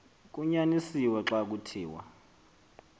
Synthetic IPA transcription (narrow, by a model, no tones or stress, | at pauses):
k̬ʼuɲanisiwɛǁak̬utʰiːwa̰